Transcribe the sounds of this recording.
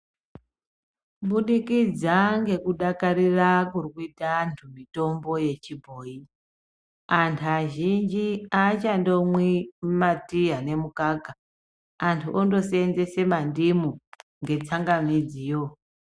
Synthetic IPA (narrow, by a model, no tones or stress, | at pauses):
ɓuɗikid͡zaŋɡe̞kuɗakaɾirakurikuitantʰumito̞mbo̞je̞t͡ʃibʱo̞ːi | antʰuaʒind͡ʒiat͡ʃando̞mwimatiɦane̞mukaɡʱa | antʰuʔondo̞send͡ze̞se̞mandimuŋɡe̞t͡saŋɡamid͡ziːjo